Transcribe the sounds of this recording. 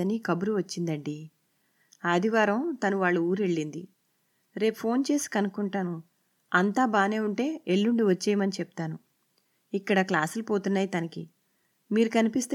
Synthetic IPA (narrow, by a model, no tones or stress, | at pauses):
ɐnikɐbuɾuʋɐt͡ʃːind̪ɐɳɖi | ad̪iʋaːɾɐmt̪ɐnuʋaːɭːuuːɾe̞ɭːind̪i | ɾe̞ːpupʰo̞ːnt͡ʃe̞ːsi̥kɐnukuɳʈaːnu | ɐnt̪aːbaːne̞ːuɳʈe̞ːeɭːuɳɖiʋɐt͡ʃːeːjɐmɐnit͡ʃɛp̚t̪aːnu | ikːɐɽɐklaːsulupo̞ːt̪unːaːjit̪ɐnɐki | miːɾukɐnipist̪ː